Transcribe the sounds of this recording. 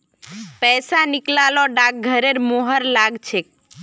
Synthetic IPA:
pɛːsanɪklalɔɖak̚ɡʱəɾeɾmoɦəɾlaɡt͡ʃʰek

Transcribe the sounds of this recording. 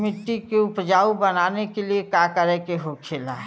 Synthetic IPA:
mɪt̪ːikeʊpd͡ʒaːubənaːnekeliekakəɾɛkeɦokʰeːlaɦ

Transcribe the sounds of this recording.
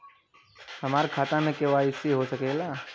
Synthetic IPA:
hɐmaːɾkʰaːt̪amẽkeʋaːɪsiɦosɐkeːɡaː

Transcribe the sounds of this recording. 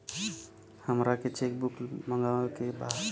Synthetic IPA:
həmɾaket͡ʃek̚bukməŋɡakeba

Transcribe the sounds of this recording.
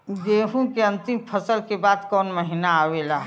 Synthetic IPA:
ɡeːɦũkeɐ̃nt̪ɪmpʰɐsəlkebaːd̪kɔːnmɐɦinaaːwelaːɦɛ

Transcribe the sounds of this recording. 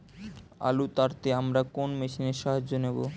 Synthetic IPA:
a̰lut̪aɾt̪eamɾakonmeʃineɾʃaɦad͡ʑonebo̰

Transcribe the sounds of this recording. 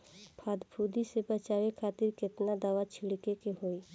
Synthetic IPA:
pʰad̪bʱud̪isebət͡ʃawekʰaːt̪iɾkɪt̪nad̪aːwat͡ʃʰiɽkekeɦoi

